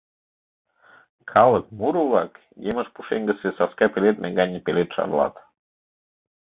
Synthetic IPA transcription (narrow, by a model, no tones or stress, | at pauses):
kʰɑlək̚muɾuβɑk | jeməʃpuʃeŋɡə̆sesɑskɑpelet̪mʔæŋɡɑnʲəpelet̪ʃɑ̰rlɑ̰t̪